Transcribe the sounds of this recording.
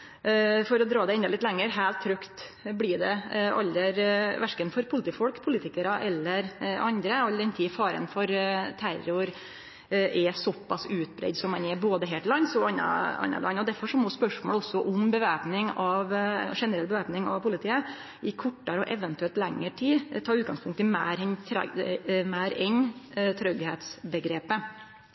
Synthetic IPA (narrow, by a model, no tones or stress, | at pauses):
fɔɾɔd̪ɾɑːd̪ɛɪnd̪ɑlɪt̪lɛŋːəɾɦæːlt̪ʰːɾœkt̪blɪɖɛʔɑ̰lːəɾʋæʂkənfɔɾpʰʊlɪt̪iːfɔlkpʰʊlɪːt̪ɪkəɾɑʔɛlːəɾɑ̰nd̪ɾəɑlːəɾɛnt̪ʰiːfɑːɾə̰nfɔɾt̪ʰæɾʊɾ | ʔɛsɔpːɑsʉːt̪̚bɾɛ̰ɪd̪sɔmɑnɛboːd̪əɦeːlt̪əlɑnːsɔlɑnɑ̰ɑ̰nːɑ̰lɑ̰nːɔd̪æɾfɔʂɔmɔspœʂmoːlɔsːɔʔʊmbəʋæɾpnɪŋɑʋʂɛnəɾɛlbəʋæɾpnɪŋɑ̰ʋpʰʊlɪt̪ʰiːə | ʔɪkʰɔʈːɑɾəɔʔɛʋənt̪ʉɛlt̪lɛŋːəʈʰiːt̪ʰɑːɾʉːt̪ɡɑŋspʰʊŋkt̪ɪmæːɾɛnt̪ʰɾ̰mæːɾɛnt̪ʰɾœɡheːt̪sbəɡɾeːpə